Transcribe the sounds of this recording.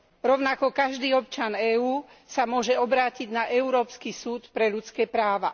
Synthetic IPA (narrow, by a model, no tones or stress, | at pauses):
ɾɔʊnakɔkaʒd̪iːɔp̚t͡ʃanɛːuː | samʊɔʒɛɔbɾaːciɟnaʔɛuɾɔːpskisuːt̪pɾɛʎut͡skɛːpɾaːʋa